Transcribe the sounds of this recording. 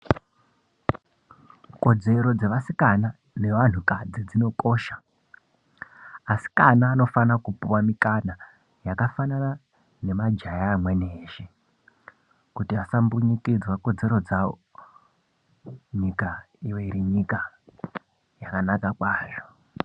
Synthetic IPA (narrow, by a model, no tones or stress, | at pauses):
ko̞d͡ze̞ɾo̞d͡ze̞ʋasikana | ne̞ʋan̤ukad͡zid͡zino̞ko̞ʃḁ | si̥kanaːno̞fanakupuwamikana | jakafanana | ne̞mad͡ʒajaːmweneːʃe | kutiasambuɲikid͡zwako̞d͡ze̞ɾo̞d͡zawo̰ | ɲika | iwo̞iɾiɲika | jakanakakwaːʐo̞